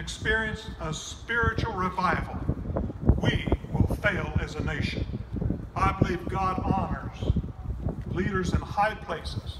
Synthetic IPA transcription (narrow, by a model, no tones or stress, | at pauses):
ɨkspɪɹiɨ̃nsəspɪɹɨt͡ʃul̩ˠɹɪvaɪvl̩ˠ | wiwɪlˠfeɪlˠɨzɨneɪʃɨ̃n | aɪbəlivɡɑɾɑnə˞z̥ | liɾə˞zɨ̃nhaɪpʰl̥eɪsɨz̥